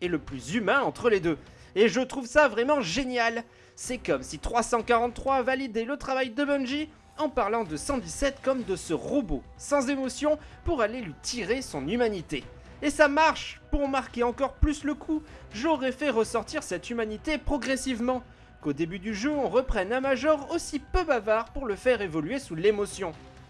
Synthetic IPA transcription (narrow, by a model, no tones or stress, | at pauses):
ɛləplyzymɛ̃ɑ̃t̪χəled̪ø | eʒət̪χuvsavʁɛmɑ̃ʒenjal | sɛkɔmsit̪χwasɑ̃kaʁɑ̃t̪ːχwavalid̪elət̪χavajd̪əbɛ̃nʒi | ɑ̃paʁlɑ̃d̪əsɑ̃d̪isɛt̪kɔmd̪əsəʁəbo | sɑ̃zemɔsjɔ̃puʁalelɥit̪ʰiʁesɔ̃nymanit̪eː | samaʁʃpuʁmaʁkʲeɑ̃kɔʁplysləkʰuʒɔʁɛfɛʁəsɔʁt̪iʁsɛt̪ymanit̪epχɔɡʁɛsivmɑ̃ | kod̪ebyd̪yʒøɔ̃ʁəpχɛnɛ̃maʒɔʁosipøbavaʁpuʁləfɛʁevɔlɥesulemɔsjɔ̃